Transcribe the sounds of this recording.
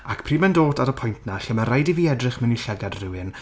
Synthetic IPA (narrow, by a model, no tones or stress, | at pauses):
akpʰriːmɛndoːtʰaɾəpʰʊjntʰnaɬəməɾajdiviːɛdrɨχmɛniɬɛɡadrɪwɨn